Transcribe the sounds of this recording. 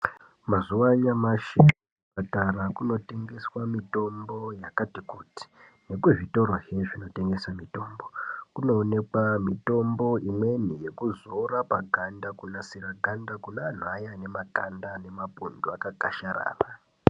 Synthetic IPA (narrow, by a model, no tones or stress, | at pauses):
mazuwaɲamaʃe | pataɾakuno̞te̞ŋɡe̞swamito̞mbo̞jakatikuti̥ | ne̞kuʐito̞ɾoɦevino̞te̞ŋɡe̞samito̞ːmbo̞kuno̞ːne̞kwamito̞mbo̞ʔimwe̞nije̞kuzorapaɡʱandakunasiɾaɡʱandakunaːn̤ajane̞maɡʱandane̞mapunduakaɡʱaʃaɾa̰ːra